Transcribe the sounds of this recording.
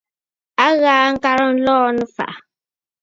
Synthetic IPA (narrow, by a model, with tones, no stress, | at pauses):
a˦ɣaː˨˦ŋ̩˦ka˦ɾə˦n̩˦lɔː˦nɨ˦fa̰˨ʔ